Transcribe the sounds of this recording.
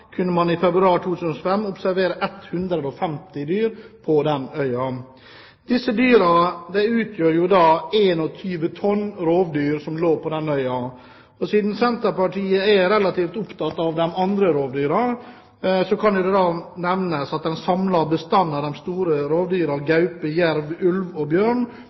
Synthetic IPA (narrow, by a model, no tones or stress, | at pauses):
kʰʉnːəmɑnɪfɛbɾʉɑːɾʈ̪ʰuːt̪ʰʉːsənɔfɛmːʊpsæɾʋeːɾəʔɛt̪hʉnd̪ɾəd̪ɔfɛmt̪ɪd̪yːɾpʰɔd̪ɛnœʏɑ | d̪̥ɪsːəd̪yːɾɑd̪ɛʉːt̪ʰjøːɾjʊd̪ɑːeːnɔt̪ʰyːʋət̪ʰɔnːɾoːʋd̪yːɾsɔmloːpʰɔd̪ɛnœʏɑ | ɔsiːd̪n̩sɛnt̪əɾpɑʈʰiːəæɾɛlɑt̪iːft̪ʊpt̪ʰɑt̪ːɑʋd̪ɛmɑnd̪ɾəɾoːʋd̪yːɾɑ | sɔkʰɑnjʊd̪ɛd̪ɑːnɛʋnəsɑt̪̚d̪ɛnsɑmlɑbəst̪ɑnːɑd̪ɛmst̪uːɾəɾoːʋd̪yːɾɑɡɑʉpəjæɾʋʉlʋɔbjøːɳ